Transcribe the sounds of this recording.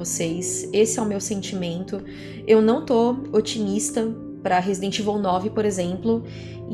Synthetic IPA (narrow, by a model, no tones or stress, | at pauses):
osejsesɪɛʊmewsẽnt͡ʃimẽnt̪ʊ | ewnɐ̃w̃t̪oot͡ʃimist̪ɐ | pɾɐɦezid̪ẽt͡ʃivõwnɔvɪpoɾezẽmplʊ